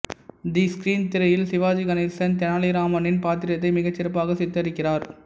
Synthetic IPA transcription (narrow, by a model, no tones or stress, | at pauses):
d̪iːskɾiːnt̪ɪɾɐjɪlsɪʋaːd͡ʒiɡɐnɪlsɐnt̪ɛnaːlɪɾaːmɐnɪnpaːt̪ɪɾjɐt̪ːɐɪmɪɣɐt͡ʃːɪɾɐpːaːɣɐsɪt̪ːɐɾɪkːɪraːɾ